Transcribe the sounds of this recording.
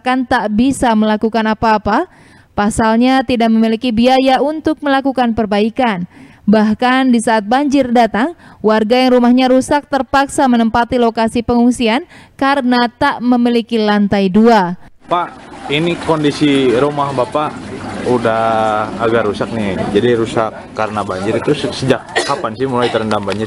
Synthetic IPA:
akant̪aʔbisaməlakukanapaːpa | pasalɲat̪idaʔ̚məmilikibiajaunt̪ʊk̚məlakukanpərbaikan | bahkandisaːt̪̚baɲd͡ʒɪrdat̪aŋwarɡajaŋrumahɲaɾusak̚t̪ərpaksamənəmpat̪ilokasipəŋuŋsiankaɾənat̪aʔməmilikilant̪ajdua | paʔinikondisiɾumahbapaudaaɡarusak̚nid͡ʒadiɾusakːaɾənabaɲd͡ʒɪɾit̪usəd͡ʒak̚kapansɪhmulajt̪əɾəndambaɲd͡ʒɪr

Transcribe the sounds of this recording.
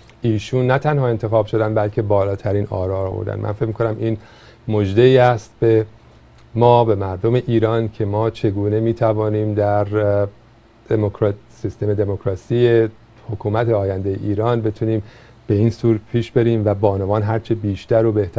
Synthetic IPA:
ʔiːʃuːnːæt̪ʰænhɒːe̞nt̪ʰe̞xɒːb̥ʃo̞d̪ænd̪bælcʰe̞bɒːlɒːt̪ʰæɾiːnɒ̰ːɾɒːɾɒːvo̰ɾd̪æ̰nmʔæ̰nfe̞cmikʰonæmʔiːn | mod͡ʒd̪eiːæst̪̚be̞ | mɒːbe̞mæɾd̪o̞me̞ʔiːɾɒːncʰe̞mɒːt͡ʃʰe̞ɡuːne̞miːt̪ʰævɒːniːmd̪æɾ | d̪̥emokʰɾ | sist̪e̞me̞d̪e̞mokʰɾɒːsije | hokʰuːmæt̪ʰeɒːjænd̪ejḛʔiːɾɒːnbe̞t̪ʰuniːm | b̥e̞iːnsuːɾpʰiːʃbe̞ɾiːmvæbɒːnovɒːnɦæɾt͡ʃʰebiːʃt̪æɾobeht̪ʰæ

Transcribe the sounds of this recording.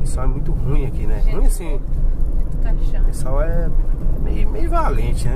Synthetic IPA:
pesawɛmũj̃t̪ʊhũj̃ɐkinɛ̃hũj̃sĩ | t̪aʃãpesawɛmḛjmejʊvalẽt͡ʃɪnɛ

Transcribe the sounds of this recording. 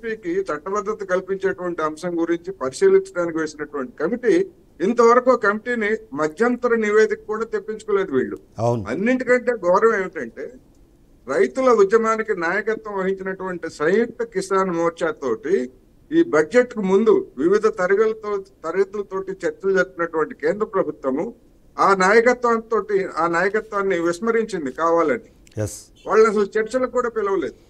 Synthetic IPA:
piːkit͡ʃɐʈːɐbɐd̪ʱːɐt̪ɐkɐlpiɲt͡ʃeːʈuʋɐɳʈiɐmʂɐŋɡuɾiɲt͡ʃipɐɾiʃiːliɲt͡ʃɐɽaːnik̬iʋe̞ːsinɐʈuʋɐɳʈi̥kɐmiʈiː | nt̪ɐʋɐɾɐkukɐmiʈiːnimɐd̪ʱjɐnt̪ɐɾɐniʋe̞ːd̪ikɐkuːɽaːt̪e̞pːiɲt͡ʃu̥kɔːleːd̪uʋḭːɭːṵ | wnɐ̰nːiɳʈikɐɳʈe̞ːɡɔːɾɐmeːʋiʈɐɳʈe̞ː | ɾɐjt̪ulɐud̪jɐmaːnikinaːjɐkɐt̪ʋɐ̃mʋɐɦiɲt͡ʃinɐʈuʋɐɳʈisɐjt̪ɐkisaːnumɔːɾt͡ʃaːt̪o̞ːʈi | iːbɐe̞ʈːkumund̪uʋiʋid̪ʱɐt̪ɐɾɐɡɐlɐt̪ɐɾɡɐt̪ulɐt̪oːʈit͡ʃɐɾt͡ʃɐlud͡ʒɐɾupinɐʈuʋɐɳʈikeːnd̪ɾɐpɾɐbʱut̪ʋɐmu | aːnaːjɐkɐt̪ʋaːnt̪o̞ːʈiaːnaːjɐkɐt̪ʋaːnːiʋismɐɾiɲt͡ʃind̪ikaːʋaːlɐni | s | ʋʔaːɭːɐɐs̬ɐlut͡ʃɐɾt͡ʃɐlɐkuːɽaːpilɐʋɐle̞ːd̪u

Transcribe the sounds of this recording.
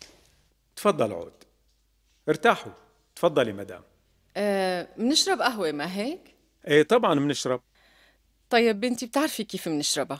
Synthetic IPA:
t̪fɑd̪ˤːɑlʕo̰ːd̪̥ | ʔɪɾt̪aːħu | t̪fɑd̪ˤːɑlimad̪a̰ːm | ʔmnɪʃɾˤɑbʔaɦwemaɦeːk | ʔeːt̪ˤɑbʕɑnmnɪʃɾˤɑb̚ | t̪ˤɑjːɪbʔɪnt̪ib̚t̪ɪʕɾfikeːfmnɪʃɾɑba

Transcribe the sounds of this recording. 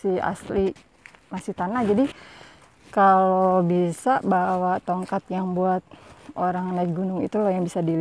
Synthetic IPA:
ia̰sli | masiht̪anahd͡ʒadi | kalobisabawat̪oŋkat̪jaŋbuat̪̚oɾaŋnaik̚ɡunʊŋḭt̪ulɔjaŋbisadil

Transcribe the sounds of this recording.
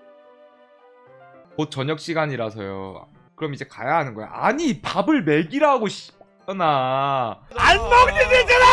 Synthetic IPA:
kot̚t͡ɕʌɲʌk̚ɕ͈ʰiɡaɲiɾasʰʌ̰jo̰ | kɯɾʌmid͡ʑe̞ka̰jaɦanɯnɡʌj̰aɲipabɯɭme̞ɡiɾɦaɡoɕʰi̥p̚k | ʌna | anmʌktined͡ʑana

